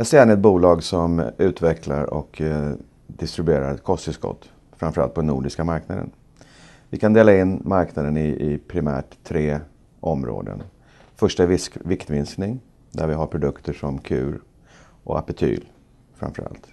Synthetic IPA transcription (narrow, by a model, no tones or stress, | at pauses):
jasæːnɛt̪̚buːlɑːɡsɔmʉ̟ːt̪vɛkʰlaɾɔ̰k | d̪ɪst̪ɾɪbeːɾa̰ɾɛt̪̚kʰɔst̪ɪskɔ̰t̪ː | fɾamfœɾa̰lt̪̚pʰɔnːuːɖɪskamaɾknad̪ə̰n | vɪkʰand̪eːlaɪnːmaɾknad̪ənɪɪpʰɾɪmæ̰ːʈt̪ʰːɾeː | ʔɔmɾo̰ːd̪ə̰n | fœʂʈavɪkt̪vɪnsknɪŋ | d̪æɾvɪɦaɾpʰɾʊd̪ɵkt̪ʰəʂɔmkʰʉ̟ːɾ | ʔɔ̰a̰pɪt̪ʰy̰ːl | fɾa̰mfœɾa̰lt̪